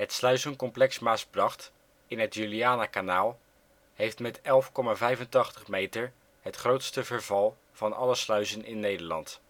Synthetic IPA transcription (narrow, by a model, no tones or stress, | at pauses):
ɦətslœɥzənkɔmplɛksmaːsbrɑχt | ɪnɦətjyliaːnakanaːlˠ | ɦejftmɛtɛlˠfkɔmaːvɛjvəntɑχtəχmejtəɹ | ɦətχrowtstəvəɹvɑlˠ | v̥ɑnʔɑləslœɥzənʔɪ̰nːejdəɹlɑ̰nt